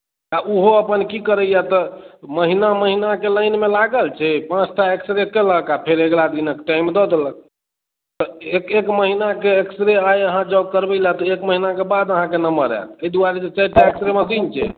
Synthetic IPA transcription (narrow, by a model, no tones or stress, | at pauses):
aʔuɦoəpənkikəɾəjat̪ɔməɦinaməɦinakeləɪnmelaɡəlt͡ʃʰɛpãt͡ʃʰt̪ʰaeksɾekeləkapʰeɾeɡlad̪inəkʈajmd̪ɔd̪elək̚ | t̪ɔekekməɦinakeːksɾeajəɦãd͡ʒəbkəɾbəjlat̪ɔekməɦinakebad̪əɦãkenəməɾɛ̰t̪əjd̪uaɾed͡ʒet͡ʃait̪aeksɾeməsint͡ʃʰɛ̰